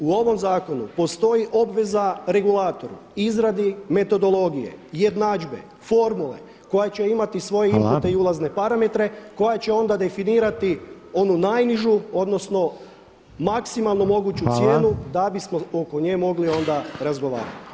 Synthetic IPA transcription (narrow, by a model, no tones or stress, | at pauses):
uo̞ʋo̞mzaːko̞nṵpo̞st̪o̞jiʔo̞bʋe̞zaɾe̞ɡulaːt̪o̞ɾṵizɾad̪ime̞t̪o̞d̪o̞lo̞ɡije̞̰je̞d̪naːd͡ʒbe̞̰ | fo̞ɾmule̞̰ | ko̞jet͡ɕe̞imat̪isʋo̞jeimput̪e̞iulˠazne̞paɾame̞t̪ɾe̞ko̞jat͡ɕe̞o̞nd̪ad̪e̞finiːɾat̪i | o̞nunajniʒuo̞d̪no̞sno̞ | maksimalˠnomo̞ɡuːt͡ɕuje̞ːnud̪abismo̞o̞ko̞ɲeːmo̞ɡlio̞nd̪aɾazɡo̞ʋa̰ːɾa̰t̪i̥